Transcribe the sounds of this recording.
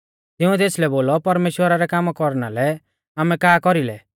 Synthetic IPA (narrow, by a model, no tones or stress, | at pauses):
t̪ɪũɛt̪eːslɛboːlɔpɐɾmeːʃwəɾaɾɛkaːmkɔɾna̰lɛ | aːmɛkaːkɔɾilɛ